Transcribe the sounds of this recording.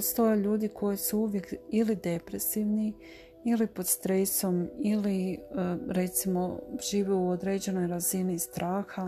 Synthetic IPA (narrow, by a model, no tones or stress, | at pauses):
post̪o̞jeʎuːd̪ikʰo̞jisuuʋjekilid̪e̞pɾe̞siʋni | ilipo̞d̪st̪ɾe̞so̞mili | ɾe̞t̪simo̞ʒ̥iːʋeuod̪ɾe̞ːd͡ʑe̞no̞jɾazinist̪ɾʔaːxa